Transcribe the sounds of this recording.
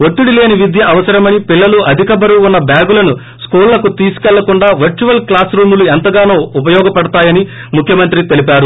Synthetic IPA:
ot̪ːuɽile̞ːniʋid̪jɐʔɐʋɐsɐɾɐmɐnipilːɐluɐd̪ʱikɐbɐɾuːnːɐbjaːɡulɐnu | skuːllɐkut̪iːsu̥kɛɭːɐkuɳɖaːʋɐɾt͡ʃuʋɐlklaːsɾuːmuluɛnt̪ɐɡaːnoːupɐjɔːɡɐpɐɽɐt̪aːjɐni | mukʰjɐmɐnt̪ɾit̪e̞lipaːɾu

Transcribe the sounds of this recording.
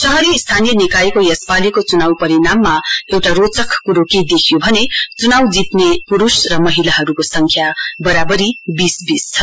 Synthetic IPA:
sʌɦʌɾiːst̪ʰanijʌnikajkojʌspalikot͡sunawpʌɾinamːaewʈaɾot͡sʌkkuɾokid̪ekʰijobʱʌnet͡sunawd͡zip̪nepuɾusrʌmʌɦilaɦʌɾukosʌŋkʰjabʌɾabʌɾibisbist͡sʰʌ

